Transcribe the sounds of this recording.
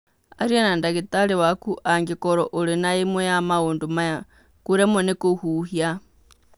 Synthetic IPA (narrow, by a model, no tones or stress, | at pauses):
a̰ɾianandaɣetaɾewakuʔaŋɡekɔɾɔʔoɾenaemwejamaondomaja | kuɾɛmonekohuːhia